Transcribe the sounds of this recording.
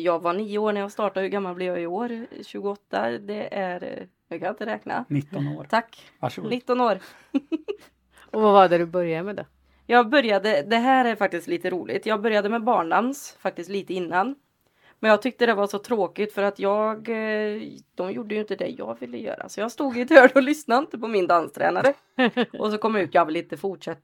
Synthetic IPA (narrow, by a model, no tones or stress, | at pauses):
jɑːɡvaɳiːəoːɳɛɾjɑːɡst̪ɑːʈad̪hʉɾɡamːalblɪɾjɑːɪoːɾɕʉ̟ːɡʊɔt̪ːa̰d̪ɛʔæɾ | nʉːkʰanjaɪnt̪əɾɛːkna̰nɪt̪ːɔnoːɾt̪ʰakː | ʂnɪt̪ːɔnoːɾ | ɔvavaɖɛd̪ɵbœɾjamɛd̪ɛ | jɑːɡbœɾjad̪əd̪ɛɦæːɾæɾfak̚t̪ɪst̪liːt̪əɾuːlɪ̰t̪ʰjɑːɡbœɾjad̪əmɛbɑːɳɖansfak̚t̪ɪst̪liːt̪əɪnːan | mɛnjɑːɡ̚t̪ʰʏk̚t̪əd̪ɛvaʂɔt̪ʰɾoːkɪt̪fœɾat̪jɑːɡ | d̪̥ɔmjuɖːəjɵɪnt̪əd̪ɛ̰jɑ̰ːɡvɪlːə̰jœ̰ːɾa̰sɔjɑːɡst̪uːɡɪt̪ʰœːɖɔlʏsnaɪnt̪əpʰɔmɪnd̪anst̪ʰɾɛ̰ːnaɾə | ʔɔsɔkʰɔmːjaʉ̟ːt̪jɑːɡvɪlɪnt̪əfʊʈʂɛt̪ː